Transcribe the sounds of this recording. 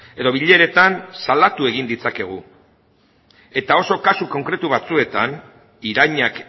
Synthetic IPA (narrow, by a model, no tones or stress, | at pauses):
e̞ðo̞βiʎe̞ɾe̞t̪ansald̪at̪ue̞ɣ̞ind̪it͡sake̞ɣ̞u | e̞t̪ao̞so̞kasuko̞ŋkɾe̞t̪uβat͡sue̞t̪an | iɾajɲak